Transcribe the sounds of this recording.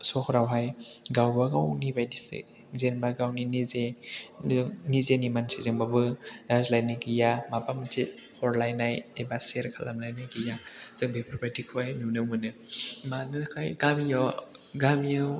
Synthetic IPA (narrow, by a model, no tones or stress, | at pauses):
sɔkʰɾawɦajɡawbaɡawnibajdisḭ | zenbaɡawninize | nizenimansizɯŋbabɯdazlajnɯɡijamapamtit̚ | hʰɔɾlajnajejbaseɾkʰala̰mlajnɯɡijaz̥ɯŋbʱepʰɾɔpɾatikʰuajmiwnɯmɯnɯmanɯkʰajɡamijɔ | ɡamijɯw